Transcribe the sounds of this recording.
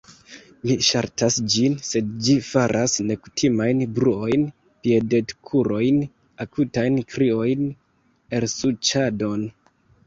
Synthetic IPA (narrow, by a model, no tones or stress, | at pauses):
miʃaɾtasd͡ʒinse̞dd͡ʒifaɾʔasne̞ku̥tʰimajnbɾuo̞jn | piede̞tkʰuɾo̞jn | akutajnkɾio̞jn | e̞lsut͡ʃado̞n